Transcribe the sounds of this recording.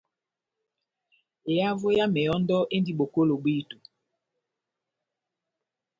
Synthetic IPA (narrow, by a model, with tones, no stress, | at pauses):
e˨ja˦vo˦ja˦mɛ˨jɔ˦ndɔ˦ʔe˦ndi˦ɓo˨ko˦lo˨bi˦˨tu˨